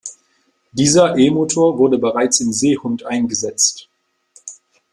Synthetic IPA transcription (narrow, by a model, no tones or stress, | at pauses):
d̥iːzɐʔeːmoːtʰoːɐvʊɐdəbəʁaɪt͡sɪmzeːhʊntʔaɪnɡəzɛt͡st